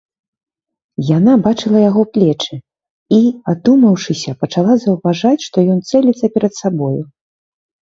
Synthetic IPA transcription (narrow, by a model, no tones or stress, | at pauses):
janabat͡ʂɨlˠɐjaɣɔplʲɛt͡ʂɨ | iad̪umɐwʂɨsʲɐpɐt͡ʂalˠazɐwvaʐat͡sʲʂt̪ɔjɔnt̪sɛlʲit̪sːɐpʲɛɾɐt̪sabɔju